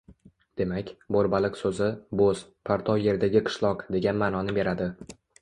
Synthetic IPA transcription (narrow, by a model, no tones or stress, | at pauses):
d̪̥e̞makʲboɾbalɪqsɵzɪboz̥pʰaɾt̪ʰɒwje̞ɾd̪aɡʲɪqʰɨ̥ʃlˠɒqd̪e̞ɡʲanmaːnɒnɪbe̞ɾad̪ɪ